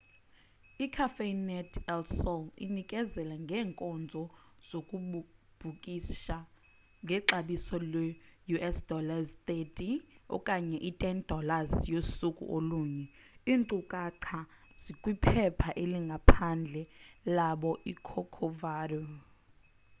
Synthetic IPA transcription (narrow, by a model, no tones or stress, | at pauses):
ikʰafenɛtʰɛlsɔlḭnikʼɛzɛlaŋɡʱɛːŋkʼɔnd͡zʱɔz̥okʼub̥ʱukʼiʃa | ŋɡʱɛǁaɓisɔlwɛjuʔɛsd̥ʱɔlazt̪ʼetʼiɔ̰kʼaɲɛʔitʼɛnd̥ʱɔlazjosukʼṵʔoluːɲɛiːnǀukʼaǀʰa | z̥ikʼwipʰɛpʰaʔeliŋɡʱapʰand͡ɮʱɛlaɓɔʔikʰɔkʰɔvaːrɔ